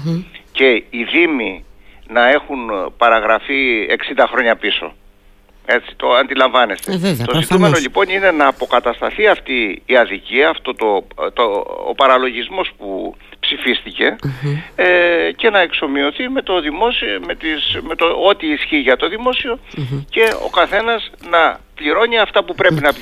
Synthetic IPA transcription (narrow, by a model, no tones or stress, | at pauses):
ce̞iðiminɐe̞xunpɐɾɐɣɾɐfie̞̰ksind̪ɐxɾo̞ɲɐpiso̞̰ | e̞t͡si̥t̪oɐnd̪ilɐɱvɐne̞st̪e̞t̪o̞zit̪ume̞no̞ʎipo̞nine̞nɐːpo̞kɐt̪ɐst̪ɐ̰θiɐft̪iːɐðiciɐːft̪o̞t̪ot̪oo̰pɐɾɐlo̞ʝizmo̞spu | psifist̪ice̞ | ece̞nɐe̞kso̞mio̞θime̞t̪o̞ðimo̞sime̞t̪ismet̪oot̪iːsçiʝɐt̪o̞ðimo̞sio̞ce̞o̞̰kɐθe̞nɐsnɐpliɾo̞niɐft̪ɐpupɾe̞pinɐ